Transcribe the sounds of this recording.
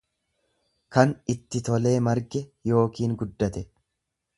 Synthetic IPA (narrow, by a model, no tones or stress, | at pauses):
kɐnɪt̪ːɪt̪ɔle̞ːmɐɾɡɛjo̞ːkiːŋɡʊd̪ːɐt̪ɛ